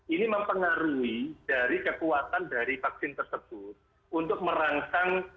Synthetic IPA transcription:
ʔiniməmpəŋaɾuid̥aɾikəkuwat̪andaɾifaksɪnt̪ərsəb̥ʊt̪̚ | ʔunt̪ʊk̚məɾaŋkaŋ

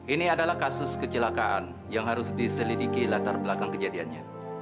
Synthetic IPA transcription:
ʔiniadalahkasʊskət͡ʃəlakaʔa̰n | jaŋɦaɾʊsdisəlidikilat̪arbəlakaŋkəd͡ʒadianɲa

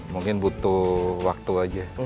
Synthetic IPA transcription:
muŋkɪnbut̪uwak̚t̪uad͡ʒa

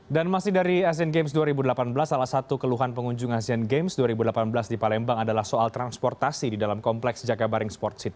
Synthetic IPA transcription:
danmasɪhdaɾias̬ianɡemsduaɾibudəlapanbəlasːalahsat̪ukəluɦanpəŋuɲd͡ʒʊŋasianɡemsduaɾibudəlapanbəlasdipalɛmbaŋadalahsoalt̪ɾanspɔrt̪asididalamkɔmplɛksd͡ʒaɡabaɾɪŋspɔrt̪sɪt̪̚

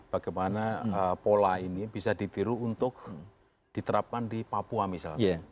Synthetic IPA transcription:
b̥aɡ̥amanaəpolainibisadit̪iɾuunt̪ʊk̚ | d̥it̪əɾap̚kandipapuamisa̰lka

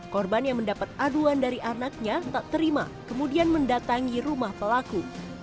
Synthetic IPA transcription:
kɔrbanjaŋməndapat̪̚aduandaɾiʔanak̚ɲat̪at̪əɾima̰ | kəmudianməndat̪aŋiɾumahpəlaku

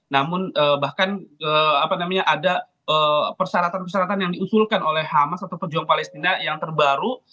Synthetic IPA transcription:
namʊnəbahkanəapanamaɲaʔada | əpərsaɾat̪anpərsaɾat̪anjaŋdiusulkanolɛhːamasat̪awpərd͡ʒuaŋpalɛst̪inajaŋt̪ərbaɾu

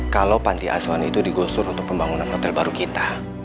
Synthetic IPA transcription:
kalowpandiʔa̰suanḭt̪udiɡɔsʊɾunt̪ʊk̚pəmbaŋunanhɔt̪ɛlbaɾukit̪a

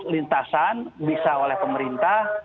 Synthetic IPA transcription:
lint̪asanbisaolɛhpəməɾint̪ah

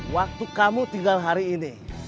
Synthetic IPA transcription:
wak̚t̪ukamut̪iŋɡalɦaɾiːni

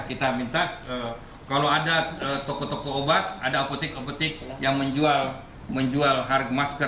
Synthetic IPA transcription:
kit̪amint̪aə | kaloadaət̪okot̪okoːbat̪̚adaoput̪ɪkoput̪ɪk̚jaŋməɲd͡ʒual | məɲd͡ʒualɦarɡ̚maskə

